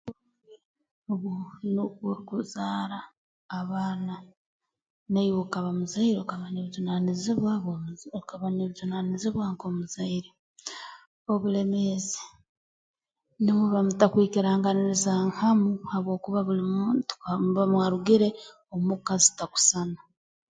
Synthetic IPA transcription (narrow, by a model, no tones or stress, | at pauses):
oβunokoɾikuzaːɾaː | βaːna | naiwokaβamuzaiɾokaβaneβizunaniziβwaβokaβaneβizunaniziβwaŋkomuzaiɾe | oβule̞mezi̥ | nimuβamutakwiːkiɾaːŋɡaniɾizaŋhamuhaβwo̞ːkuβaβulimutmβamwaɾuɡiɾe̞ | omukazi̥taku̥sana